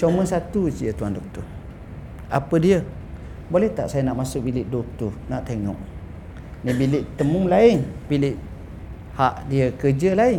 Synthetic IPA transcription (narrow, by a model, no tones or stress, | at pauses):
t͡ʃoməsat̪usiət̪uandɔk̚t̪ɔr | a̰pədiə | bolɛht̪a̰ʔsajənaʔmasʊk̚bilɪʔdot̪unaʔt̪eŋɔ̰ʔ | nibilɪʔt̪əmʊŋlaɪnbilɪʔ | haʔdiəkəd͡ʒəlaɪn